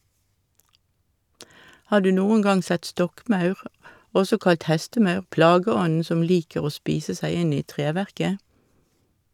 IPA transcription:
ˈhɑː ˈdʉː ˈnuːəŋ ˈɡɑŋ ˈsɛt ˈstɔkˌmɑʉʁ ˈɔsɔ ˈkɑlt ˈhɛstəˌmɑʉʁ ˈplɑːɡəˌɔn̩ ˈsɔm ˈliːkəʁ ˈoː ˈspiːsə ˈsæɪ ˈɪn ˈiː ˈtʁeːʋæʁkə

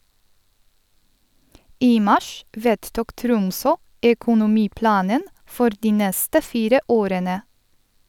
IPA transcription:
ˈiː ˈmɑʃ ˈʋeːdˌtʊk ˈtɾʊmsɔ ɛkʊnʊˈmiːˌplɑːnən ˈfɔɾ ˈdiː ˈnɛstə ˈfiːɾə ˈoːɾənə

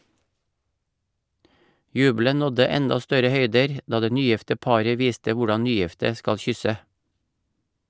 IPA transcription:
ˈjʉːblən ˈnɔdə ˈɛndɑ ˈstœɾə ˈhœʏdəɾ ˈdɑː ˈdeː ˈnyːˌjɪftə ˈpɑːɾə ˈʋiːstə ˈʋʊɖɑn ˈnyːˌjɪftə ˈskɑl ˈçʏsə

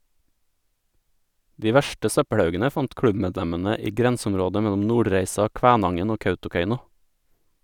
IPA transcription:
ˈdiː ˈʋæʃʈə ˈsœpəɽˌhɑʉɡənə ˈfɑnt ˈkɽʉbˌmeːdˌʎɛmənə ˈiː ˈɡɾɛnsəʊmˌɾoːdə ˈmɛʎʊm ˈnuːɖɾæɪsɑ ˈkʋæːnɑŋən ˈoː ˈkœʉtʊˌkeɪnʊ

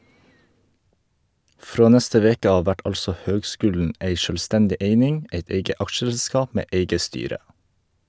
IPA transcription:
ˈfɾoː ˈnɛstə ˈʋeːkə ˈɑːʋ ˈʋæʈ ˈɑlsɔ ˈhøːɡˌskʉːlɳ̩ ˈeɪ ˈʃøːlˌstɛndɪ ˈeɪnɪŋ ˈʔeɪt ˈeɪɡə ˈɑkʃəˌskɑːp ˈmeː ˈʔeɪɡə ˈstyːɾə

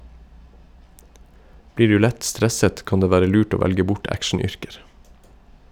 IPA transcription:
ˈbliː ˈɖʉː ˈlɛt ˈstɾɛsət ˈkɑn ˈdeː ˈʋæːɾə ˈlʉːʈ ˈoː ˈʋælɡə ˈbʊʈ ˈækʃɳ̩ˌʏɾkəɾ

